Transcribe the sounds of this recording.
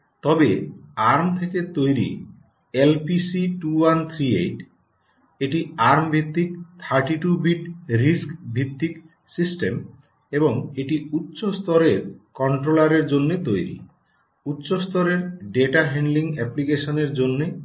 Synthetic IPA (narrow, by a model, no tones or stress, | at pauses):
t̪ɔbeaɾmt̪ʰeket̪ojɾḭ | elpisiʈuwant̪ʰɾiejʈ | eʈiaɾmbʱit̪ːik̚t̪ʰaɾʈiʈubiʈɾiskbʱit̪ːik | sisʈem | eboŋeʈiut̪ːɕost̪ɔɾeɾkɔɳʈɾolaɾeɾd͡ʑonːet̪ojɾḭ | ut̪ːɕost̪ɔɾeɾɖeʈaɦɛɳɖliŋɛplikeʃoneɾd͡ʑonːe